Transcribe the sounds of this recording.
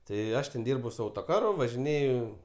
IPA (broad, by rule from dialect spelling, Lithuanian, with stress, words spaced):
tɐɪ ˈɐʃ tʲɛn ˈdʲiːrbʊ sʊ ˈɐʊtoːˌkɑːrʊ ʋɐʒʲɪˈnʲeːjʊ